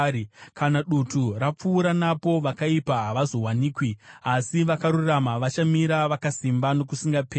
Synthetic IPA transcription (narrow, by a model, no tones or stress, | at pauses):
kʰanaɗutʰurap͡fuːɾanapo̞ʋakaipaɦaʋazo̞ɦwaniːkwiasiʋakaɾuramaʋat͡ʃamiɾaʋakasimbano̞kusiŋɡapeː